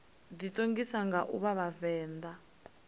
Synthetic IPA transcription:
ditʼoŋɡisaŋɡaʔṵβaβavɛːnd̪a

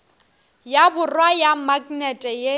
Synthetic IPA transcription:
jabʊrwajamakʼnɛtʼɛje

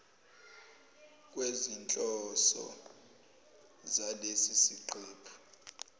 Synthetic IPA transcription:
kʼwezint͡ɬʼɔsɔ̰ | zalesisiǃʰɛːpʰḁ

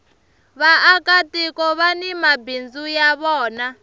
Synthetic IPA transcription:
βaʔːkatʼikɔβanimabind͡zujaβɔːna

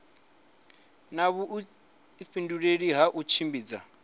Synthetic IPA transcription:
naβuʔ | finduɺeɺiɦaʔut͡ʃʰimbiːd͡za

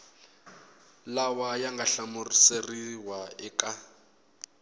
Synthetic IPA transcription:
lawajaŋɡaɬamuriseriwaɛkʼa

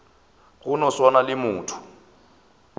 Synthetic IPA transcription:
ɣʊnɔswanalɪmuːtʰu̥

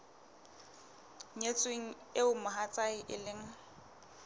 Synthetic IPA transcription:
ɲet͡sʼweŋ̩ | eʊmaɦat͡sʼaɪʔɪlɪŋ̩

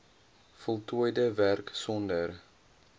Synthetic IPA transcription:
fɔlˠtʰuəjdəværksɔndər

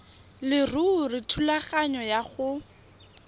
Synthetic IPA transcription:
lɪrurɪtʰulaχaɲɔjaχʊ

